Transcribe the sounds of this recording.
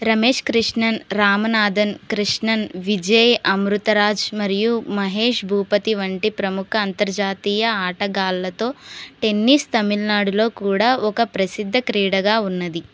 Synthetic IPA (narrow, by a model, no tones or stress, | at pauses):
ɾɐmeːʂkɾiʂɳɐnɾaːmɐnaːd̪ʱɐnkɾiʂɳɐnʋid͡ʒɐjɐmɾut̪ɐɾaːd͡ʒmɐɾijumɐɦe̞ːʂbʱuːpɐt̪iʋɐɳʈipɾɐmukʰɐːnt̪ɐɾd͡ʒaːt̪iːjɐaːʈɐɡaːlːɐt̪o̞ːʈe̞nːiːst̪ɐmilnaːɽulo̞ːkuːɽaːʔɔkɐpɾɐsid̪ʱːɐkɾiːɽɐɡaːunːɐd̪i